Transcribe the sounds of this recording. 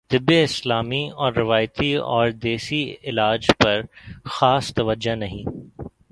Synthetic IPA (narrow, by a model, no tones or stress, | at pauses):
t̪ɪbːeɪslaːmiɔːɾːɪʋaːjt̪iɔ̰ːɾd̪eːsiɪlaːd͡ʒpɐɾxaːst̪ɐʋəd͡ʒanɐɦĩː